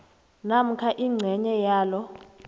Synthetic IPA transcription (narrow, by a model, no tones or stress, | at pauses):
nam̩kʰaʔiŋ͡ǀʱɛɲɛjaːlɔ